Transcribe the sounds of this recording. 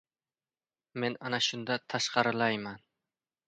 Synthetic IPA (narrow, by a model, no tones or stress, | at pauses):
me̞nanaʃʊnd̪at̪ʰaʃqɑɾɪlajman